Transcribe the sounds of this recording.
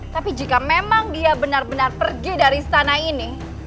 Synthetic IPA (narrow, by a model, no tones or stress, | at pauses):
t̪apid͡ʒikamemaŋdiabənarbənarpərɡidaɾisə̥t̪anaini